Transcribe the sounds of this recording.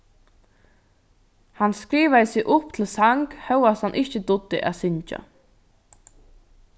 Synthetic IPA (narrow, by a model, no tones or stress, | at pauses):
hanskɾiːʋaðəsɪɣʔʊpt̪ʰɪlsaŋkhœwashanʔɪht͡ʃəd̪ʊd̪ːɪ̰ʔæ̰ðsɪɲt͡ʃa̰